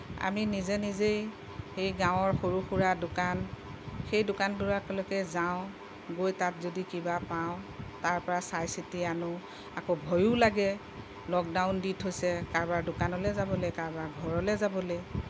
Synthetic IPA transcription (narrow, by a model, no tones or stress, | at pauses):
a̰minizɛnizej | xejɡãw̃ɔɹxoɹuxuɹadʊkan | xejdʊkantuɹakɔlɔkɛzaʊ̃ | ɡojtatzodikibapaʊ̃taɹpɔɹasajsitianʊ | akobʱɔjulaɡɛ | lɔk̚dawnditʰɦojsɛkaɹbaɹdʊkanɔlɛzabɔlɛjkaɹbaɹɡʱɔɹɔlɛzabɔlej